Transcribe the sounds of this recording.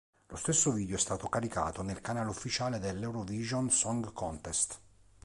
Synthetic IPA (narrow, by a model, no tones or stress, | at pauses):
lost̪esːoviːd̪joɛst̪aːt̪okaɾika̰ːt̪onelkanaːlufːit͡ʃaːled̪elːɛwɾoviːʒonsɔŋɡkɔnt̪est̪